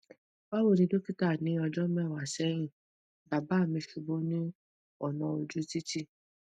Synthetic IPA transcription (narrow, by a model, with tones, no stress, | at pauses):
ba˦wo˦˨nĩ˧˦do˦ki˦ta˦˨nĩ˨˦ɔ˧d͡ʒɔ˦mɛ̃˦˨wa˨sɛ˦j̃ĩ˦˨ | ba˨ba˨˦˨mĩ˧˦ʃu˧bo˦nĩ˦ | ɔ˦˨nã˧o˧d͡ʒu˦ti˦ti˦